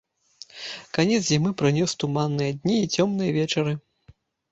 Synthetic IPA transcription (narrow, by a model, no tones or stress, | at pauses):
kanʲɛt̪szʲimɨpɾɨnʲɔst̪umanːɨjɐd̪ʲnʲiːt͡sʲɔmnɨjɐvʲɛt͡ʂɐɾɨ